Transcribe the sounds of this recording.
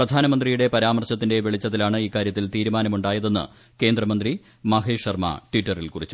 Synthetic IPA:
prɐd̪ʱaːnɐmɐnd̪rijuɽe̞pɐɾaːmɐrɕɐt̪ːinde̞ʋeɭit͡ɕːɐðilaːɳɨiːkːaːɾjɐt̪ːilt̪iːɾumaːnɐmuɳɖaːjɐðe̞nːɨ̰ | ke̞ːnd̪rɐmɐnd̪ri | mɐɦeːʂɐrmɐ̰ʈwiʈːɐrilkurit͡ɕːu̥

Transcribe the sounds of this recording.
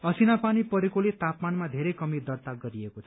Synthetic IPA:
ʌsinapanipʌɾekolet̪apmanmad̪ʱeɾekʌmid̪ʌrt̪aɡʌɾiekot͡sʰʌ

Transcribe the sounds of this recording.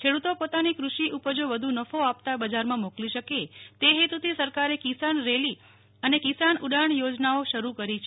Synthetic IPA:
kʰeɽut̪opot̪anikɾuʃiʔupəd͡ʒoʋəd̪ʱunəfoap̚t̪abəd͡ʒaɾmãmokliʃəket̪eɦet̪ut̪ʰisəɾkaɾekisanɾeli | ənekisanuɖaɳjod͡ʒnaoʃəɾukəɾit͡ʃʰ

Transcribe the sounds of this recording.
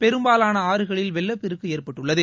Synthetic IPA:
pɛɾɯmbaːlaːnɐaːɾɯɣɐɭɪlʋɛlːɐpːɪɾɯkːɯeːrpɐʈːɯɭːɐðɯ

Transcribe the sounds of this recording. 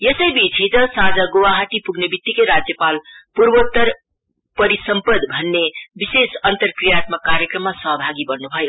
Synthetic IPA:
jesəjbit͡ʃʰit̪ʌ̃sãd͡zaɡowaɦaʈipuɡnebit̪ːikeɾad͡zjəpalpuɾbot̪əɾ | pəɾisəmpəd̪bʱʌnːebisesʌnt̪əɾkɾijat̪məkːaɾjəkɾəmːasʌɦbʱaɡibʌnnubʱʌj

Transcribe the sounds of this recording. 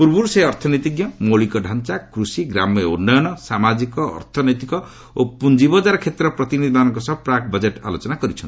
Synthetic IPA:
puɾbuɾseɔɾt̪ʰɔnɔjt̪iɡjɔmoɭikɔɖʱant͡ʃakɾusiɡɾamunːɔjɔnɔsamad͡ʒikɔ̰ːɾt̪ʰɔnɔjt̪ikɔ | opund͡ʒibɔd͡ʒaɾkʰet̪ɾɔpɾɔt̪inid̪ʱibanɔŋkɔsɔbpɾakbɔd͡ʒeʈa̰lot͡ʃɔnakɔɾit͡ʃʰɔnt̪i

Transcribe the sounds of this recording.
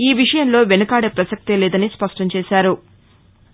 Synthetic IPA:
iːʋiʂɐjɐnlo̞ːʋenɐkaːɽepɾɐsɐk̚t̪ileːd̪ɐnispɐʂʈɐɲt͡ʃeːʃaːɾu

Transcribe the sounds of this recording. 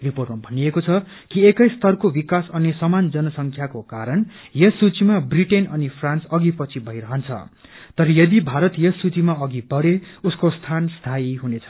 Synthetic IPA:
riporʈmabʱʌniekot͡sʰʌ | kiekʌjst̪ʌrkobikasʌnesʌmand͡zʌnʌsʌŋkʰjakokaɾʌn | jʌsut͡simabriʈenʌnipʰransʌɡipʌt͡sʰibʱʌiɾʌɦʌnt͡sʰʌ̰ | t̪ʌɾʌjʌd̪ibʱaɾʌt̪jʌsut͡simaʌɡibʌɽeuskost̪ʰanst̪ʰaiɦunet͡sʰʌ̥

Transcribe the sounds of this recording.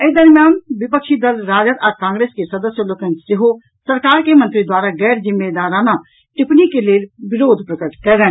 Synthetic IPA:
esd̪əɾmjjaːnʋɪpəkʃid̪əlɾaːd͡ʒət̪ɔːɾkãːŋɡɾeːskesɐd̪əsjəloːkənsɪɦo | səɾkaːɾkemə̃nt̪ɾid̪waːɾaɡɛːɾzɪmːed̪aːɾaːna | ʈɪpnikeleʋɪɾoːd̪ʱpɾəkəʈkɛɾẽː

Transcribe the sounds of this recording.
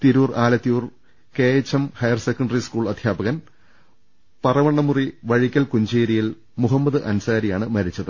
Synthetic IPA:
t̪iɾuːraːlɐt̪ːijuːr | keːjɐt͡ɕːɐmhɐjɐrsekːɐɳɖɐriskuːɭɐd̪ʱjaːbɐɣɐn | pɐrɐʋɐɳːɐmuriʋɐɻikʲːɐlkuɲd͡ʑeːɾijil | muɦɐmːɐðɨʔɐnsaːɾijaːɳɨmɐɾit͡ɕːɐðɨ

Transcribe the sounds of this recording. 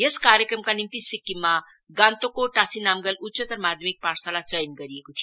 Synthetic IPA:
jeskaɾjəkɾəmkanimt̪isikːima | ɡãnt̪okoʈasinamɡəlutːt͡ʃət̪əɾmad̪ʱjəmik̚paɾsalat͡ʃəjnɡʌɾiekot̪ʰij

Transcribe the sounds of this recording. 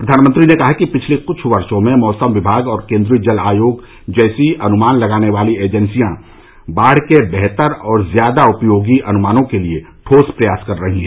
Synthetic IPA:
pɾɐd̪ʱaːnmə̃nt̪ɾinekɐɦakipɪt͡ʃʰlekʊt͡ʃʰʋɐɾʃõmẽmɔːsəmʋɪbʱaːɡɔːɾkẽːnd̪ɾid͡ʒəlaːjoːɡ | d͡ʒɛːsiɐnʊmaːnlɐɡaːneʋaːlieːd͡ʒə̃nsijã | baːɽ̤kebɛɦt̪əɾɔːɾzjaːd̪aʊpjoːɡiʔɐnʊmaːnõkelieʈʰoːspɾɐjaːskɐɾːɐɦĩɦɛ̃

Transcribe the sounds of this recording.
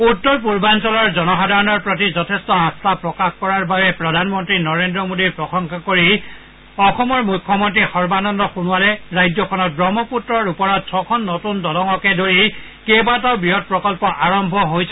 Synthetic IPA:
utːɔɹp̬uɹbansɔlɔɹzɔnɔxadaɹɔnɔɹpɹot̬izɔtʰɛstɔãstapɹɔkaxkɔɹaɹbabɛpɹɔdʱanmɔntɹinɔɹendɹɔmodiɹpɹɔxɔŋkʰakoɹi | ɔxɔmɔɹmujkʰːɔmɔntɹixɔɹbanɔndɔxunʊwalɛɹajd͡ʒɔkʰɔnɔt̚bɹɔmɔputɹɔɹupɔɹɔt̚sʰɔkʰɔnːotundɔlɔŋɔkɛdoɹi | kebataʊbɹiɔt̚pɹɔkɔlpɔʔaɹɔmbʱɔɦojsʰɛ

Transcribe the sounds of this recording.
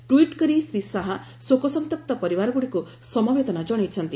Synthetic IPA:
ʈwiʈkɔɾisɾisaɦa | sokɔsɔmt̪ɔk̚t̪ɔpɔɾibaɾɔɡuɽiku | sɔmɔbed̪ɔnad͡ʒɔɽ̃ejt͡ʃʰɔnt̪i

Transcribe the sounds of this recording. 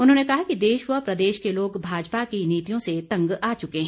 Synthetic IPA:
ʊnɦõnekɐɦakid̪eːʃwəpɾɐd̪eːʃkeloːɡbʱaːd͡ʒpakiniːt̪ijõset̪ɐ̃ŋɡaːt͡ʃʊkeɦɛ̃

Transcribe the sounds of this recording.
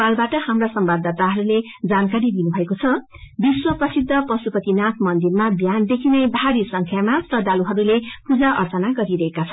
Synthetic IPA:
albaʈʌhamrasʌmbabd̪at̪aɦʌɾule | d͡zankaɾid̪inubʱʌekot͡sʰʌ | biswʌprʌsid̪ʱːʌprʌsupʌt̪inat̪ʰmʌnd̪irmabʱjand̪ekʰinebʱaɾisʌŋkʰjamasrʌd̪aluɦʌɾulepud͡zaʔʌrt͡sʌnaɡʌɾiɾʌɦekat͡sʰʌ̥n

